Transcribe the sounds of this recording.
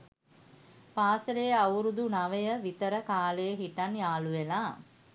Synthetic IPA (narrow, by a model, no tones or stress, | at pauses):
paːsəlejəawɾud̪unaʋəjəʋit̪əɾəkaːləjəɦiʈanjaːluʋelaː